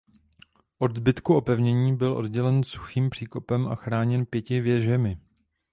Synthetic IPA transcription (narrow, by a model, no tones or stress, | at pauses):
ʔo̞dzbɪt̪kuo̞pɛvɲɛɲiːbɪlʔo̞̰d̚ɟɛlɛnsu̥xiːmpr̥iːko̞pɛmʔa̰xɾaːɲɛnpjɛcɪvjɛʒɛmɪ